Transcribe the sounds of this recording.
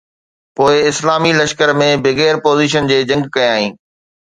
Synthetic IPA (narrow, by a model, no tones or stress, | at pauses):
poːɪɪslaːmilɐʃkəɾmẽbɪɣeːɾpoːziːʃ̬ənd͡ʑeːd͡ʑɐ̃ŋɡkɐjaːɦĩː